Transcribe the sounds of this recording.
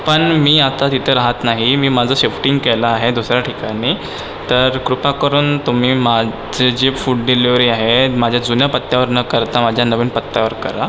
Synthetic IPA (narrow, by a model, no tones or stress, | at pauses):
pəɳmiːat̪at̪it̪ʰəɾaɦət̪naɦimiːmad͡zʱəːɕefʈiŋɡkelaːɦed̪usɾjaʈʰikaɽ̃iː | t̪əɾkɾupakəɾuːnt̪um̤iːma | d͡zed͡ʑefuːʈ̚ɖiliʋɾiːaɦemad͡ʑʱjad͡zunjapət̪ːjaʋəɾnəkəɾt̪amad͡ʑʱjanəʋiːnpət̪ːaʋəɾkəɾa